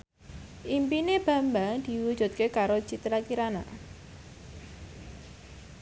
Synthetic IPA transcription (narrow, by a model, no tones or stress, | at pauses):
ʔimpineb̥ä̤mbaŋd̪̥i̤wu̥ʒ̥ṳt̪̚kekaɾo̥t͡ʃit̪əɾakiɾana̰